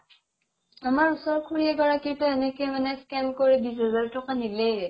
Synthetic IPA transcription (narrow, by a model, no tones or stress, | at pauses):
amaɹusɔɹkʰuɹiɛɡɔɹakitɔɛnɛkɛmanɛskɛnkoɹibizazaɹtʰɔkanilɛjɹɛ